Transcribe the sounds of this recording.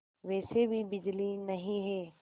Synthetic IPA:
ʋɛːsebʱibɪd͡ʒlinɐɦĩɦɛː

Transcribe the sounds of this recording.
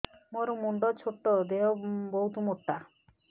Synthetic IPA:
moɾumuɳɖɔt͡ʃʰoʈːɔd̪eɔboɦut̪umoʈːa

